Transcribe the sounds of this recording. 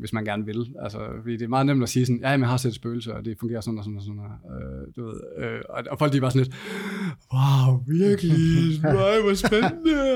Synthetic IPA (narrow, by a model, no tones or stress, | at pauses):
ʋe̝smænɡ̥æɐnʋe̝lælsəfɒd̥ḭːd̥e̝æɐmɑ̈ːðˠnemd̥ɒsiːsɒn̩jʔææmjhɑ̈sed̥sb̥øːl̩səɒd̥e̝fɔ̽ŋɡe̝ːɐsɔ̽nɒsɔ̽nɒsɔn̰ɒød̥eʋe̝ð̞̰ˠøɒɒfɒlɡd̥ib̥ɑsnle̝d̥ | wɑʊʋiɐɡ̥əliaɪʋɒsb̥enənə